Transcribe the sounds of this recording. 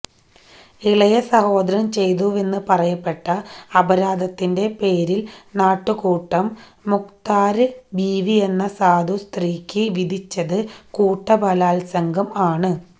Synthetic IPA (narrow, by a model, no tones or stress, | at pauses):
iɭɐjɐsɐho̞ːd̪ɐɾɐmt͡ɕe̞jðuʋe̞nːɨpɐrɐjɐpːe̞ʈːɐːbɐɾaːd̪ɐt̪ːinde̞pe̞ːɾilnaːʈːɨkuːʈːɐmː | ukt̪aːɾɨbiːʋie̞nːɐsaːd̪ʱust̪riːkʲːɨʋid̪ʱit͡ɕːɐðɨkuːʈːɐbɐlaːlsɐŋɡʱɐmaːɳɨ